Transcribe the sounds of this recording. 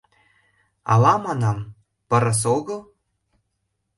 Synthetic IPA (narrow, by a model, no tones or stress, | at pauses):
ɑ̰lɑmɑnɑm | pɤ̆ɾɤ̆s̬oɣɤ̆lˠ